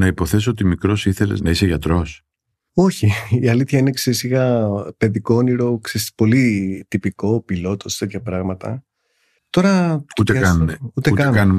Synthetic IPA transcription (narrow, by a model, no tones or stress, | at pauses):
nɐipo̞θe̞soot̪imikɾo̞siθe̞lḛznɐiseʝɐt̪ɾo̞s | oçiːɐliθçɐinekseisiɣɐpe̞ðiko̞oniɾo̞kseispo̞lit̪ipiko̞pilo̞t̪o̞st̪et̪çɐpɾɐɣmɐt̪ɐ̰ | t̪o̞ɾɐut̪ekɐnumeut̪euk̪nkɐnum